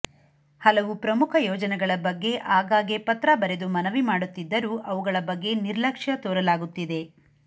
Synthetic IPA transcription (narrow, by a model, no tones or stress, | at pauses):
hɐlɐʋupɾɐmukʰɐjɔːd͡ʒɐnɛɡɐɭɐbɐɡːe̞ʔaːɡaːɡepɐt̪ɾɐbɐɾe̞d̪umɐnɐʋimaːɽut̪ːid̪ːɐɾuʔɐʋuɡɐɭɐbɐɡːe̞niɾlɐkʂjɐt̪oːɾɐlaːɡut̪ːid̪e̞